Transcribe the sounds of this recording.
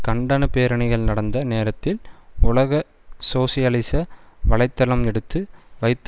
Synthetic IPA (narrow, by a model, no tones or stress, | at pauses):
kɐɳɖɐnɯpeːɾɐɳɪɣɐɭnɐɽɐnd̪ɐneːɾɐt̪ːɪlʊlɐɣɐ | soːsɪjɐlɪsɐʋɐɭɐɪt̪ːɐlɐmɛɽɯt̪ːɯʋɐɪt̪ː